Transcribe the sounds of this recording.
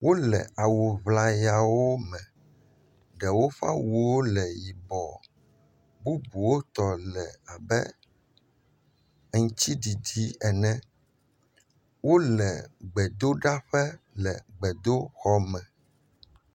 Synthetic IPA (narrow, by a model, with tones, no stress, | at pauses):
wʔo˦lɛ̰˨ʔa˨wo˨vla˨ja˨wo˦mɛ̃˨ | ɖɛ˨wo˦ɸa̰˦wu˨˦wo˦lɛ˨ji˨bɔ˨ | bu˦bu˨wo˦t̪ɔ˨lɛ˨a˨bɛ̰˦ | ŋũ˨t͡ɕi˦ɖi˨di˦ɛ˨nɛ̃˦ | wo˦lɛ˨ɡ͡bɛ˨d̪o˦ɖa˦ɸɛ˦lɛ˨ɡ͡bɛ˨d̪o˦xɔ˦mɛ̃˨